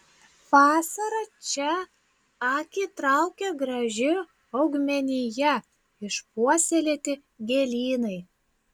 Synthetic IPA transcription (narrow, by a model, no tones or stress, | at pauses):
ʋɑːsɐɾɐt͡ʃʲɛ | ɑkʲit̪ɾɑʊkʲɛɡɾɐʒʲɪ | ɒʊɡmʲɛnʲɪjɛ | ɪʃpuɔsʲelʲeːt̪ʲɪ | ɡʲelʲiːnɐɪ